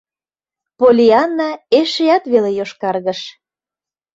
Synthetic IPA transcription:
polʲiɑnːɑeʃejɑt̪βelejoʃkɑrɣəʃ

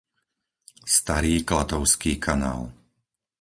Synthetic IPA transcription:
st̪aɾiːklat̪ɔʊskiːkʰana̰ːl

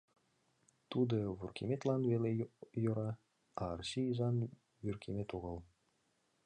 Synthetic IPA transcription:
t̪ud̪ɤ̆βurkʲʰemʲet̪lˠɑnvelʲejoɾɑ | ɑːrɕijzɑn | jyrkʲʰemʲet̪uʁɤ̆lˠ

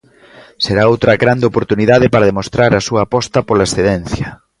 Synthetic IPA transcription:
seɾaowt̪ɾɐɣɾand̪eopoɾt̪uniðaðɪpaɾɐðemost̪ɾaɾɐsuɐːpɔst̪ɐpolaesθeðɛn̟θjɐ

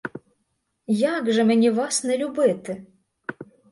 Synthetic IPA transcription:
jaɡʐɨmɨnʲivasnɐlʲubɪt̪ɨ

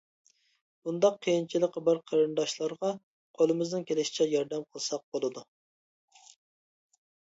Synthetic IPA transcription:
bund̪ɑqʰːəjint͡ʃʰilˠəqbɑɾqʰəɾɨnd̪ɑʃlˠɑɾʁɑ | qʰolˠɨmɨznɨnkʲʰelɪʃi̥t͡ʃʰɛjɑɾd̪ɛmqʰəlˠsɑq̚bolˠɨd̪u

